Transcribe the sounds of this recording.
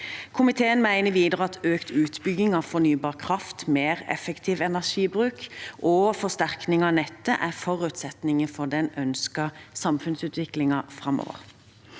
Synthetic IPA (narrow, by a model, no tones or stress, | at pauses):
kʰʊmɪt̪ʰeːənmæɪnəʋiːd̪əʁəɑt̪øːkt̪ʉːt̪bʏɡɪŋɑʋfɔnyːbɑːʁkʰʁɑft̪meːʁɛ̰fəkt̪ʰiːʋɛnæʂiːbʁʉːkʔɔfɔst̪æʁknɪŋɑnɛt̪ːəʔæʁfɔʁʉːt̪sɛt̪nɪŋənfɔd̪ɛnœnskɑsɑmfʉnsʉːt̪ʋɪklɪŋɑfʁɑmɔ̰ːʋə̰ʁ